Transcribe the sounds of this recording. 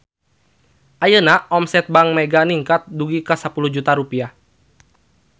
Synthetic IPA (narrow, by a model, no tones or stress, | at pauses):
ʔajənaʔɔmsɛt̪̚baŋmɛɡaniŋkat̪̚duɡikəsapuluhd͡ʒut̪aɾupia